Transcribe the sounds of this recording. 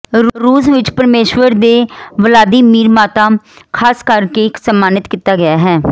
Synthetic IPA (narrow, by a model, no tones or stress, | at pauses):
ɾɾuːsʋɪt͡ʃpəɾmeːʃʋəɾd̪eːʋəlaːd̪iːmiːɾmaːt̪aːkʰaːskəɾkeːɪksəmːaːnɪt̪kit̪aːɡɪjaːɦɛː